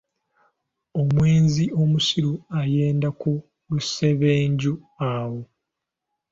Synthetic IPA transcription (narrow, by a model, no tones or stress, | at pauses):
o̞mwe̞ːnzio̞musiɾuaje̞ːndaku | luse̞βeːɲɟu | awo